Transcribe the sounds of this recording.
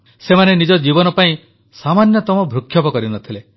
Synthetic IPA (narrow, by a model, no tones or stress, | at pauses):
semanenid͡ʒɔd͡ʒibɔnɔpaĩ | samanjɔt̪ɔmɔbʱɾukʰːjɔpɔkɔɾinɔt̪ʰile